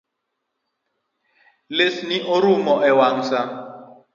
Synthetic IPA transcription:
lesiniʔoɾumɔɛwaŋ̩sa

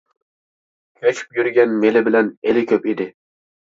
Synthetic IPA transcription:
kʰʲɵt͡ʃʰɪ̥pjyɾɡʲanmelɪbɪlanelɪkʲʰɵpid̪ɪ

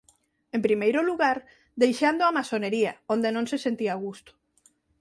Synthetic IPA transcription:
empɾimejɾoluɣaɾ | d̪ejʃand̪oamasoneɾiaõnd̪enõnsesent̪iaɣ̞ust̪o̥

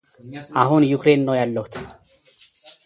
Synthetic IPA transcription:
ʔahunjukɾe̞nːəwjalːəhut̪

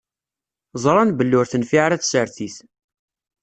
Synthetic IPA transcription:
zˤɾˤɑnbəlːʊɾθənfiʕaɾæt͡ssəɾθiθ

